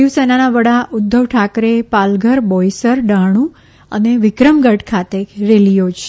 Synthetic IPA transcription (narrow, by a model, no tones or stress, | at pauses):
iʋsɛnanaʋəɽaʔʊd̪ʱːəʋʈʰakɾepalɡʱəɾbɔjsəɾɖaɽ̃ũ | ə̰neʋɪkɾəmɡəʈkʰat̪eɾelijot͡ʃʰe̥